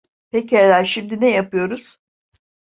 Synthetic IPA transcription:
pecelæɾʃimd̪inɛjapɯjo̞ɾuz̥

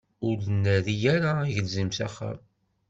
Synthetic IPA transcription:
ʊɾðənːæðijæɾaʝəlzimsæχːæ̰m

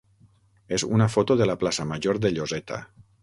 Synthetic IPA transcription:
ezunafot̪oðelaplasamaʒoɾðeʎozet̪a̰

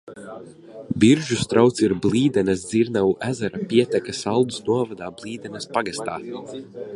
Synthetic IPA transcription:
biɾʒust̪ɾawt̪siɾbliːd̪ɛnɛs̬d̪ziɾnawuʔæzɛɾapiɛt̪ɛkasalˠd̪usnuɔvad̪aːblˠiːd̪ɛnɛspaɡast̪aː

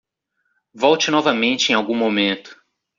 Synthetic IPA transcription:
vɔwt͡ʃɪnɔvɐmẽnt͡ʃɪẽj̃awɡũmomẽnt̪ʊ̥

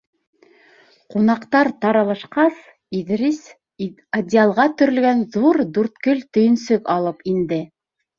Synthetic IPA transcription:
qunɑqt̪ɑɾt̪ɑɾɑlˠɑʃqɑs | iðɾis | ɐd̪ʲialˠʁɑt̪ɵ̆ɾɵ̆lɡænðuɾd̪ʉɾt̪kɵlt̪ɵ̆jɵ̆nsɵkɑlˠɤpind̪ɘ

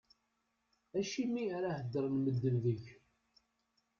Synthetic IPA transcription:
æʃimiaɾahəd̪ːəɾˤnməd̪ːəlðəç

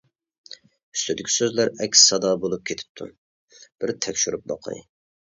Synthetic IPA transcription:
y̥st̪ʰyd̪ɪkʲʰi̥søzlæɾɛkʲssɑd̪ɑbolˠup̚kʲʰet̪ʰɪ̥p̚t̪ʰṵ | b̥ɪɾt̪ʰɛkʲʃyɾyp̚bɑ̰qʰɑ̰j

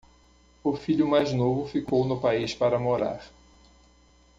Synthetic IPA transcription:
ʊfiʎʊmajznovʊfikownʊpaispaɾɐmoɾa̰ɾ

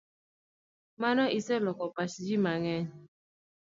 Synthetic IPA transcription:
manɔʔisɛlɔkɔpat͡ʃd͡ʒimaŋɛɲ

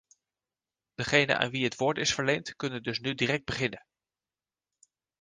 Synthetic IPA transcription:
d̥əχejnə̰na̰ːnʋiɦətʋʊːɹtɪsfəɹlejntkɵnəndɵsnydirɛk̚d̚bəχɪnən

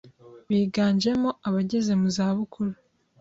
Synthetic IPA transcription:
βiːɡaːɲd͡ʒe̞moaβaɟe̞ze̞muzaːβukʰuɾa

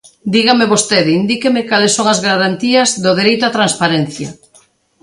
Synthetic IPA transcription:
d̪iɣameβost̪eðind̪ikemekalesːoŋɐzɣaɾant̪iɐzðoðeɾejt̪ʊat̪ɾanspaɾen̟θjɐ

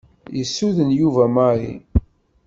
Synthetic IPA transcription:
jəsːuðənjuvæmaɾḭ

